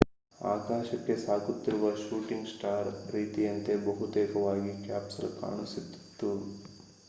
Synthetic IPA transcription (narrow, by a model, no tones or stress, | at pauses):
a̰ːkaːʃɐkːe̞saːkut̪ːiɾuʋɐʃuːʈiŋɡsʈaːɾɾiːt̪ijɐnt̪e̞bɐɦut̪eːkɐʋaːɡikaːpsɐ̰lka̰ːɳusit̪ːi̥t̪ːu